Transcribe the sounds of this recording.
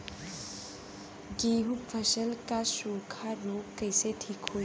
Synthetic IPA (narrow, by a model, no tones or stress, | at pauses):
ɡeːɦufʰɐʃəlkasuːkʰaɾoːkkːəɪseʈʰiːkɦoːi